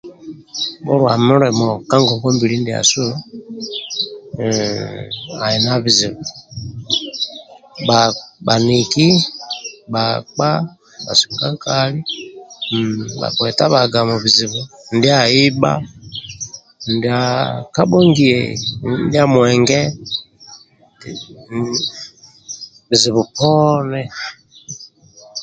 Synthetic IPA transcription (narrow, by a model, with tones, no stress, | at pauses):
bɔ˦ɾwa˨mɔ˦ɾɛ˨mɔ˨ka˦ŋɡɔ˨ɡɔ˦mbi˨ɾi˦n˦di˨a̰˨su˦ | a˨ɛ˨na˦βi˨zi˨βɔ˨ | ɓa˨ɓa˨ni˨ki˦ | ɓa˨k͡pa˦ | ɓa̰˨si̥˨ŋɡa˦ka˦li˦ | ba̰˨kwɛ˨ta˦βa˨ɡa˨mɔ˨βi˨zi˨βu˨n˦di˦a˨i˦ɓa̰˦ | n̩di˨a˨ka˦ɓɔ˦ŋɡi˨ɛ̰˨n˦di˦a˦mwɛ˨ŋɡɛ˦ | bi˨zi˨βu˨pɔ˦nɛ˦